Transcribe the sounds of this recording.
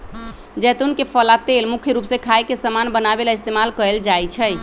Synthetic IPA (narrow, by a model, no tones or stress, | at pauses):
d͡ʒɛt̪unkepʰəlat̪elmukʰjəɾupsẽkʰajkesəmanbənabelaist̪emalkəeld͡ʒajt͡ʃʰəj